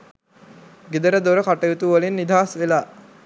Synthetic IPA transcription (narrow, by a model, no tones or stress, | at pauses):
ɡed̪əɾəd̪oɾəkaʈəjut̪uːʋəlinːid̪ʱaːsʋelaː